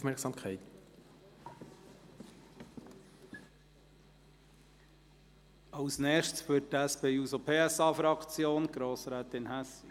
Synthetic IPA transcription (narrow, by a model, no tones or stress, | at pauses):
fmɛɾksɑmkʰɛɪt̪ | ɑʊsnɛːʃtsføttæspeːuːsopʰeːɛsɑːfɾɑkt͡sjoːnɡ̥ɾoːsɾæːt̪ɪnhæs